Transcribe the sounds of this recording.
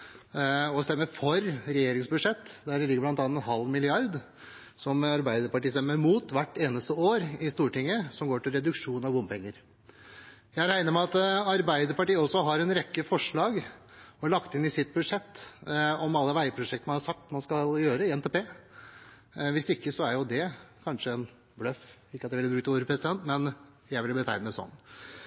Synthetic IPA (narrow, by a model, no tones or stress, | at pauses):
ɔst̪ɛmːəɾfɔɾɾɛjeːɾɪŋsbʉd̪ʂɛt̪ːd̪æɖɛlɪɡəblɑnt̪ɑːnɛnɦɑlːmɪlɪɑɾd̪ | sɔmɑɾbæɪd̪əɾpɑʈiːst̪ɛmːəɾmuːt̪ʋæʈːeːnəst̪əoːɾɪst̪uːʈɪŋːəsɔmɡoːʈɪlɾɛd̪ʉkʂuːnɑʋbʊmpʰɛŋːəɾ | jæɪɾæɪnəɾmɛɑt̪ɑɾbæɪd̪əɾpɑʈiːɔsːɔɦɑɾɛnɾɛkːəfɔʂɭɑːɡ | ɔlɑkt̪ɪnɪsɪt̪̚bʉd̪ʂɛt̪ːɔmɑlːəʋæɪəpʰɾʊʂɛkt̪əmɑnhɑʂɑk̚t̪mɑnskɑljøːɾəɪɛnt̪ɛːpeː | ʋɪsɪkːəsɔæɾjʊd̪ɛkʰɑnʂəɛn | blœfɪkːəɑt̪ɛʋɛlːəbɾʉkt̪ʰːɪuːɾəpʰɾɛsɪd̪ɛnt̪mɛn | jæɪʋɪlbət̪ʰæ̰ɪnəd̪ɛsɔ̰nː